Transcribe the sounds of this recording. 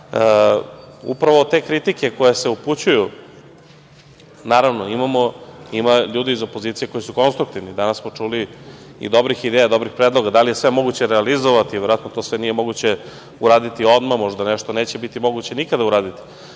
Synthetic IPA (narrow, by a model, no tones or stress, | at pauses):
ṵpɾaʋot̪e̞kɾit̪ike̞kojeseuput͡ɕuju | naːɾaʋnoimamoimaʎuːd̪iizo̞pozit̪ije̞kojisuko̞nst̪ɾuk̚t̪iʋnid̪anassmo̞t͡ʂuliḭd̪o̞bɾixid̪eːjad̪o̞bɾixpɾeːd̪lˠo̞ɡad̪alijesʋe̞mo̞ɡut͡ɕeɾealizoʋat̪iʋeɾoat̪not̪o̞sʋenije̞mo̞ɡut͡ɕe̞ | uɾaːd̪it̪io̞d̪mamo̞ʐd̪aneʃt̪one̞ːt͡ɕebit̪imo̞ɡut͡ɕe̞nikad̪auɾaːd̪it̪i̥